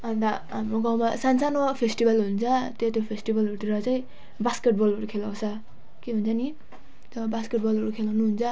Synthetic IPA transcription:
and̪aɦamɾoɡawmasansanopʰesʈibalɦunt͡sat̪et̪opʰesʈibaluʈiɾat͡saj̃ | baskeʈ̚bʌluɾukʰelawsa | keɦunt͡sʰani | tʌbaskeʈ̚bɔloɾukʰelawnuɦunt͡sa

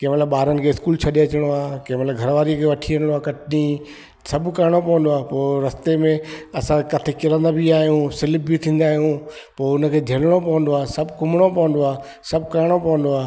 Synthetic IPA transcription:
kɐ̃ːmɐt̪ləbɓaːɾənɪ̆kʰeːɪskuːlt͡ɕʰɐɗeɐt͡ɕɪɽ̃oaːkɐɦmɐt̪ləbɡʱɐɾʋaːɾikʰeːʋɐʈʰiɐnɽ̃oaːkɐʈʰni | sɐbʱkɐɾɽ̃opɐʋə̃nd̪oaːpoːɾɐst̪emẽɐsãkɐt̪ʰekɪɾə̃nd̪abiaːɦijũsɪlɪb̚bit̪ʰĩːn̆d̪aːɦijũ | poːʊnəkʰeːd͡ʑʱelɽ̃opɐʋə̃nd̪oaːsɐbʱkʊmɽ̃opɐʋə̃nd̪oaː | sɐbʱkaɾɽ̃opɐʋə̃nd̪oaː

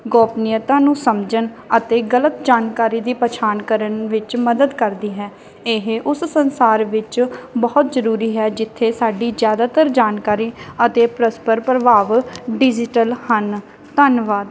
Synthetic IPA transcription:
ɡɔːpnɪjət̪ãːnũːsəmd͡ʒən | ət̪eːɡələt̪d͡ʒaːnkaːɾiːd̪iːpət͡ʃʰaːnkəɾənʋɪt͡ʃməd̪əd̪kəɾd̪iːɦɛː | ɪɦʔʊssənsaːɾʋɪt͡ʃbɔːt̪zəɾuːɾiːɦɛːd͡ʒɪt̪ʰːeːsaːɖiːzjaːd̪aːt̪əɾd͡ʒaːnkaːɾiːət̪eːpɾəspəɾpɾəʋaːʋɖɪd͡ʒɪʈəlhən | t̪ənʋaːd̪

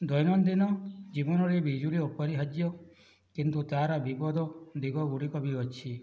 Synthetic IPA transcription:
d̪ɔjnɔnd̪inɔd͡ʒibɔnɔɾebid͡ʒuɭiɔpɔɾiɦad͡ʒjɔ | kint̪ut̪aɾabibɔd̪ʱɔd̪iɡɔɡuɽikɔbiɔt͡ʃʰi

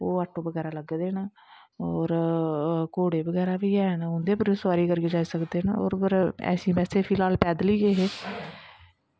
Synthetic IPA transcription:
oːaːʈʰːõːbəɡɛːɾaːləɡd̪eːna | ɔːɾ | koːɽeːbəɡɛːɾaːʋiːɛːnɦʊ̃nd̪eːpəɾosʋaːɾiːkəɾkeːd͡ʒaːiːsəkd̪eːnao̰ːɾpəɾɛ̰ːsĩːpɛːseːpʰiːlaːlpɛːd̪liːɡeːɦeː

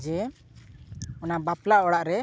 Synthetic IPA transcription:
d͡ʒɛ | ɔnabaplaɔɽaʔɾɛ

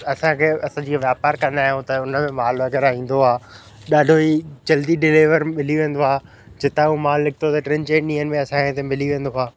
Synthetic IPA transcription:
ɐsãkʰeːʔɐsãːd͡ʑiːaʋjaːpaːɾkɐ̃nd̪aːijũt̪ɐʊnə̆mẽmaːlʋɐɣɛːɾaɦĩːn̆d̪oaː | ɗaːɖʱoiːt͡ɕɐld̪iɖɪleːʋəɾmɪljuʋẽːn̆d̪oaː | d͡ʑɪt̪aumãːlːɪkʰɪt̪ʰot̪ɐʈɾẽːnt͡ɕeːʈɗĩːɦənɪ̆mẽɐsãkẽt̪ẽmɪliʋẽːnd̪oaː

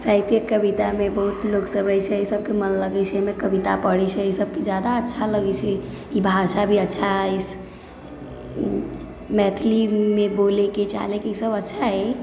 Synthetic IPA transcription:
sajt̪ijəkəbit̪amebəɦut̪loksəbɾət͡ʃʰɛisəb̚kemənləɡɛt͡ʃʰɛmekəbit̪apəɽɛt͡ʃʰɛisəb̚ked͡ʒjad̪aətːʃʰaləɡɛt͡ʃʰɛ | ibʱaʃabʱiətːʃʰaɦis | mɛt̪ʰlimeboleket͡ʃa̰lekeisəbətːʃʰaɦɛ

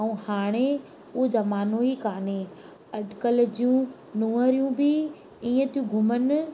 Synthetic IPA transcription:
ũhaːɽ̃e | ʊɦd͡ʑaːmaːnoːikaːne | ɐɗkəld͡ʑijũ | nuːəɾijũbɪ | iːə̃t̪ijũɡʱʊmən̆

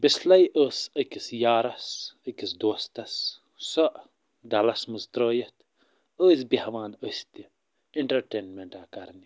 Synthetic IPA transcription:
bislɐjʔəːsəkisjaːɾɐsəkisd̪oːst̪ɐs | sɐʔ | d̪ɐlɐsməst̪ɾəːjɐt̪ | əːsbihɐʋaːnəsʲt̪i | iɳʈɐɾʈeːnmeɳʈaːkɐɾni

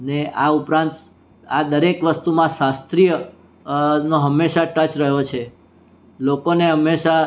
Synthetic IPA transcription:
əneʔaupɾãnt̪ | ad̪əɾekʋəst̪umãʃast̪ɾijə | noɦəmːeʃaʈət͡ʃɾəɦot͡ʃʰe | lokoneɦəmːeʃa

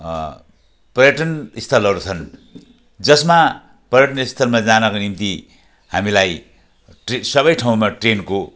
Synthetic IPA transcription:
pʌrjʌʈʌnist̪ʰʌlɦʌɾut͡sʰʌn | d͡zʌsma | pʌjʌʈʌnʌist̪ʰʌlmad͡zanʌkonimt̪i | ha̰milaj | ʈesʌbʌjʈʰaw̃maʈrenko

